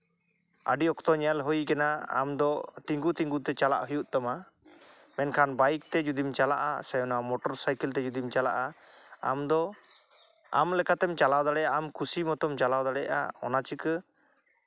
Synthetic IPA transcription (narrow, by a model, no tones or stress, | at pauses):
a̰ɖiɔkt̪ɔɲalɦɔjkɛnaa̰md̪ɔt̪iŋɡut̪iŋɡut̪ɛt͡ʃala̰ʔɦujuʔt̪ɔma | mɛnkʰanbajk̚t̪ɛd͡ʒud̪imt͡ʃalaʔa̰sɛjɔnamɔʈɔɾsajkɛlt̪ɛd͡ʒud̪imt͡ʃala̰ʔaamd̪ɔ | a̰mlɛkat̪ɛmt͡ʃalawd̪aɽɛjaamkusimɔt̪ɔmt͡ʃalawd̪aɽɛʔa̰ɔ̰nat͡ʃikə